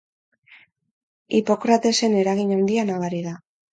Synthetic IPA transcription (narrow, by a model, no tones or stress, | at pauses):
ipo̞kɾat̪e̞se̞ne̞ɾaɣiɲawnd̪ianaɣaɾiða